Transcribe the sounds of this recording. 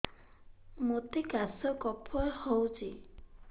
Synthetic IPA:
mot̪ikasɔkɔpʰɔɾhowt͡ʃi

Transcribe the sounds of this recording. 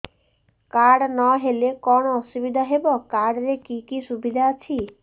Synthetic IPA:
kaɽnɔɦelekɔɽ̃ɔːsubid̪ʱaɦebɔkaɽɾekikisubid̪ʱaːt͡ʃʰi

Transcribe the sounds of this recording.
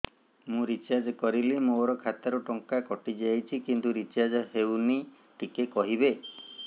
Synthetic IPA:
mũɾit͡ʃad͡ʒkɔɾilimoɾɔkʰat̪aɾuʈɔŋkakɔʈid͡ʒajt͡ʃʰikint̪uɾit͡ʃad͡ʒɔhewni | ʈikekɔɦibe

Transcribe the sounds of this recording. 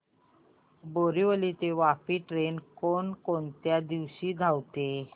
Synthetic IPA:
boɾiʋəliːt̪eʋapiːʈɾenkoɳkoɳt̪jad̪iʋɕiːd̪ʱawt̪e

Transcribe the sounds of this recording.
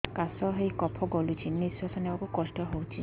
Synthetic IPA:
kasɔɦejkɔpʰɔɡɔlut͡ʃʰinisɔsɔnɛɔkukɔsʈɔɦowt͡ʃʰi

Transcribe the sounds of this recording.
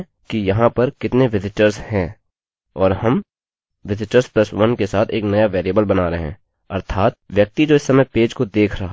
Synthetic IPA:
kijɐɦãpɐɾkɪt̪neʋɪzɪʈəɾshɛ̃ | ɔːɾɦɐm | ʋɪzɪʈəɾsplɐsʋɐnkesaːt̪ʰeːknɐjaʋeːɾiəbəlbɐnaɾeɦɛ̰̃ː | ɐɾt̪ʰaːt̪ʋjɐk̚t̪id͡ʒoːɪsːɐməjpeːd͡ʒkod̪eːkʰɾɐɦa

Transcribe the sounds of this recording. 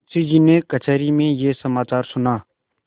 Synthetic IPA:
siːd͡ʒiːneːkət͡ʃʰɛːɾiːmẽːjeːsəmaːt͡ʃaːɾsʊnaː

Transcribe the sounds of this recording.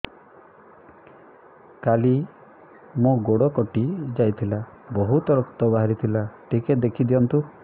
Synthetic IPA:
kali | moɡoɽɔkɔʈid͡ʒajt̪ʰilabɔɦut̪ɔɾɔk̚t̪ɔbaɦaɾit̪ʰilaʈiked̪ekʰid̪ijɔnt̪u

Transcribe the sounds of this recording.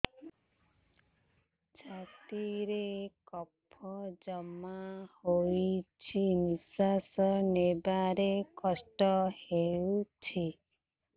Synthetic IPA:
d͡ʒat̪iɾekɔpʰːɔd͡ʒɔmahojt͡ʃʰinisasɔnebaɾekɔsʈɔhewut͡ʃʰi

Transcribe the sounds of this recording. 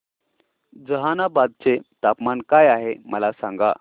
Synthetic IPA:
d͡zəɦanabad̪̚t͡set̪apmankajaɦeməlasãŋɡa̰

